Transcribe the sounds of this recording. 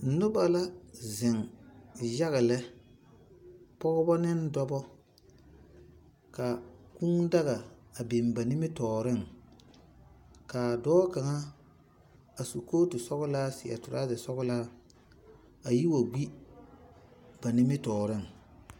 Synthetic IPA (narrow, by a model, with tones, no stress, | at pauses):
nʊ˦ba˨la˦zɪ˨ŋ | ja˦ɣɪ˨lɛ˦ | pɔ˦ɣɔ˦bɔ˦nɪ˦ndɔ˦bɔ˦ | ka˨ku˦ŋda˦ɣa˨a˨be˨mba˨nɪ˦mɪ˦tɔː˨ɾɪ˦˨ŋ | ka˨dɔː˦ka˨ŋa˦ | a˨su˨koː˦tʊ˨sɔ˦ɣʊ˦laː˦sɪ˨a̰˨tʊ˨ɾa˦zɪ˨sɔ˦ɡʊ˦laː˦ | a˨ji˦wa˨ɡ͡bi˦ | ba˨nɪ˦mɪ˦tɔː˨ɾɪ˦˨ŋ